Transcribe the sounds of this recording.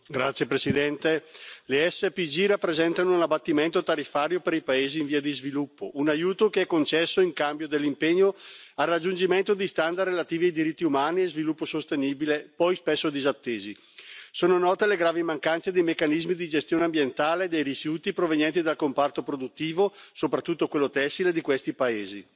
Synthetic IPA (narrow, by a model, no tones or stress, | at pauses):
ɡɾat̪sːjepɾesid̪ɛnt̪eleɛsːepid͡ʒiɾapːɾezɛnt̪anounabat̪ːiment̪ot̪aɾifːaːɾjopeɾipaeːziːɱviːad̪izvilupːo̰ʔunajuːt̪okeɛkːont͡ʃɛsːoiŋkambjod̪elːimpeɲːoarːad͡ʒːund͡ʒiment̪od̪ist̪and̪arrelat̪iːviajd̪iɾit̪ːiumaːniezvilupːosost̪eniːbilepɔjspesːod̪izat̪ːeːzi | soːnonɔːt̪eleɡɾaːvimaŋkant̪sed̪ejmekːanizmid̪id͡ʒest̪joːneambjent̪aːled̪ejrifjuːt̪ipɾoveɲjɛnt̪id̪alkompart̪opɾod̪ut̪ːiːvosopɾat̪ːut̪ːokwelːot̪ɛsːiled̪ikwest̪ipaeːzi